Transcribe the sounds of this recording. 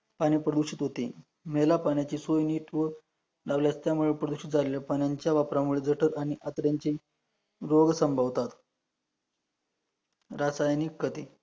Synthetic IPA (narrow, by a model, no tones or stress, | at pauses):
paɽ̃iːpɾəd̪uʂit̪ɦot̪ḛ | melapaɳjat͡ɕiːsojniːʈʋə | ɖaʋljast̪jamuɭepɾəd̪uʂit̪̚d͡zʱaleljapanjaɲt͡ɕjaʋapɾamuɭed͡zəʈʰəɾaɽ̃iʔat̪ɾjaɲt͡ɕiː | ɾoɡsəmbʱaʋt̪at̪ | ɾasajnikːət̪i